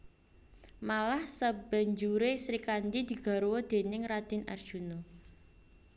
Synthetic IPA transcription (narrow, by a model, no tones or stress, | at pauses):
malahsəb̥a̤ɲd͡ʒuɾesɾikand̪id̪̥i̤ɡ̥a̤ɾowod̪̥e̤nɪŋɾad̪̥inʔa̰r̥ʒ̥uno